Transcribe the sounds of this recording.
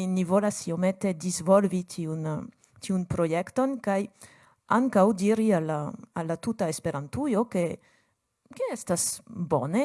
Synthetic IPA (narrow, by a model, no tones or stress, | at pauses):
nivo̞lasiomete̞dizvolvitʰiun | tiunpɾo̞jekto̞nkaj | aŋkawdiɾialaalːatutaespe̞ɾantujo̞ke̞ | keestasbo̞̰ne